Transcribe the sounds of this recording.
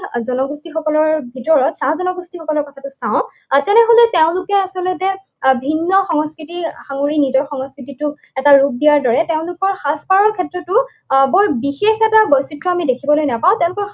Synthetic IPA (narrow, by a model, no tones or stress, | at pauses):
zɔnɔɡustixɔkɔlɔɹbʱitɔɹɔtsãzɔnɔɡustixɔkɔlɔɹkɔtʰatʊsãʊ̃ | tɛnɛɦolɛteʊ̃lʊkɛasɔlɔtɛ | bʱinːɔxɔŋɔskɹitixaŋoɹinizɔɹxɔŋɔskɹititʊ | ɛtaɹup̚dijaɹdɔɹɛteʊ̃lʊkɔɹxaspaɹɔɹkʰɛtɹɔtʊ | bɔɹbixexɛtabɔjsitɹɔamidekʰibɔlojnapaʊ̃tɛʊ̃lʊkɔɹ